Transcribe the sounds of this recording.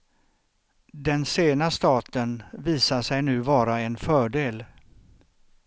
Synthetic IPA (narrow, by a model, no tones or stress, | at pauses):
d̪ɛnseːnast̪ɑːt̪ənviːsaʂɛjnʉ̟ːvɑːɾaɛnfœːɖeːl